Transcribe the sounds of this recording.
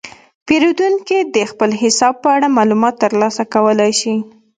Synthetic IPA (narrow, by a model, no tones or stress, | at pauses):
peɾod̪unkid̪əxpəlɦɪsɑb̚pəaɽamɑlumɑt̪ːəɾlɑsakawəlajʃi